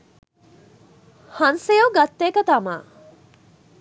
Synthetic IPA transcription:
hɐnsejoɡat̪ːeːkət̪ama̰ː

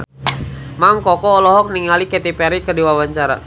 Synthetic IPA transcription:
maŋkɔkɔːlɔɦɔk̚niŋalikɛt̪ipɛɾikədiwawaɲt͡ʃaɾa̰

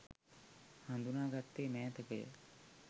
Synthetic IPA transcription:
hand̪unaːɡat̪ːeːmɛːt̪əkəjə̰

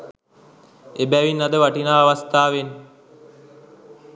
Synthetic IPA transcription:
ebɛʋinːad̪əʋaʈinaːʋast̪aːʋen

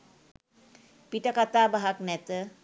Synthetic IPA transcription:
piʈəkat̪aːbaɦaknɛt̪ə

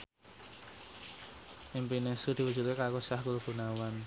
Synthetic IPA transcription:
ʔimpinesud̪̥i̤wud͡ʒ̥ut̪̚kekakosahɡulɡ̥ṳnawan

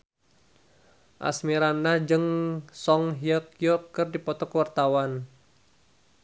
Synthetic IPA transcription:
ʔa̰smiɾanːahd͡ʒɨŋsɔŋɦiəkjɔkːɨrdipɔt̪ɔkəwart̪awan

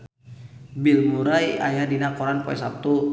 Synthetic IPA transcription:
bilmuɾaja̰jadinakɔɾanpɔɛ̰sap̚t̪u

